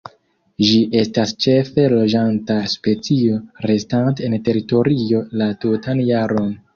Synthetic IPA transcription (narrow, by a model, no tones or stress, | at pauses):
d͡ʒiʔe̞stast͡ʃe̞fe̞lo̞d͡ʒantaspe̞t͡sio̞ɾe̞stantente̞ɾito̞ɾio̞latutanjaɾo̞n